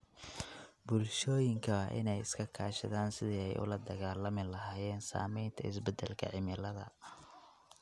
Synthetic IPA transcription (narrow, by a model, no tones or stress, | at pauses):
bʊlʃɔːjɪŋkʰɐɐʔɪ̰nɛjɪskʰɐkʰaːʃɐðaːnsɪðiːɛjʔʊ̰lɐd̪ɐɣaːlɐmɪlɐɦaːjɛːnsa̰ːmɛjnt̪ʰɐɪsbɛd̪ɛlkʰɐ̰ʕɪmɪlɐðɐ̰